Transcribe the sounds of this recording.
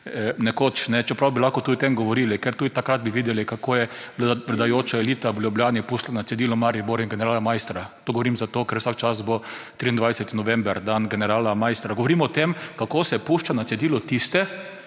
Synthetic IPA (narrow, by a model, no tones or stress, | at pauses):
nɛkoːt͡ʃnɛt͡ʃɛpɾawbilaxkɔt̪uːd̪it̪emɡɔʋɔɾiːlikɛɾt̪uːd̪it̪akɾad̪̚biʋiːd̪ɛlikakoːjɛpɾɛd̪ajoːt͡ʃaɛliːt̪aʋlʲjubljaːnipuːʃt̪lanat̪sɛd̪iːlɔmaːɾiboɾinɡɛnɛɾaːlamajst̪ɾat̪oɡɔʋoɾiːmzat̪oːkɛɾwsakt͡ʃasbot̪ɾiːind̪ʋajsɛt̪inɔʋɛ̃mbɛɾd̪anɡɛnɛɾaːlamajst̪ɾaɡɔʋɔɾiːmɔɔt̪emkakoːsɛpuːʃt͡ʃanat̪sɛd̪iːlɔt̪ist̪ɛ